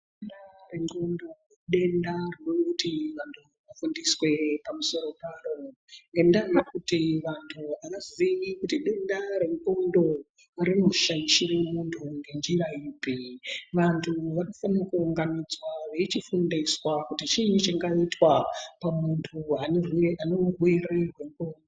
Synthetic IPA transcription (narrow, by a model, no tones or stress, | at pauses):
endareŋɡondo | ɗe̞ndarrokutiʋantʰuʋafundiswe̞pamuso̞ɾo̞paːro | ŋɡe̞ndaijakutiʋantʰuanaziikutiɗe̞ndaɾe̞ŋɡondo̞ | ɾimuʃaiʃiwe̞muntʰuŋɡe̞nd͡ʒiraiːpiʋantʰuʋanofanakuːŋɡamid͡zwaʋe̞t͡ʃifundiswakutit͡ʃinit͡ʃiŋɡaitwapamuntʰuanerwaneurwererwe̞ŋkondo